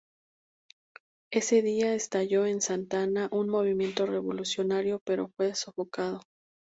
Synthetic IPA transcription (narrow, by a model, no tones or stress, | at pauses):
e̞se̞ðiaest̪aʝo̞ensant̪anaʔunmo̞β̞imje̞nt̪o̞re̞βo̞lusjo̞naɾjo̞pe̞ɾo̞fwe̞sofo̞kað̞o